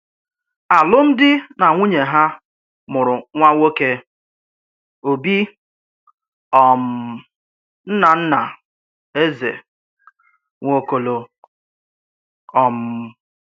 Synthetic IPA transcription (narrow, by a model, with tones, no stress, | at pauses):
a˨lʊ˦m̩˦dɪ˦na˨ŋʷu˦ɲe˨ɦa˦ | mʊ˨ɾʊ˨ŋʷa˦wo˦ke˦ | o˨bi˦ | ɔ˨m˦ | n̩˦na˨n̩˦na˨ | e˦zḛ˨ | ŋʷo˦ko˦lo˦ | ɔ˨m̩˦